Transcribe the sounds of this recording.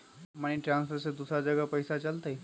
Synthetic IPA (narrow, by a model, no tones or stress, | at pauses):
maɽ̃iʈɾãnsfəɾsed̪usad͡ʒəɡapəjsat͡ɕalt̪ai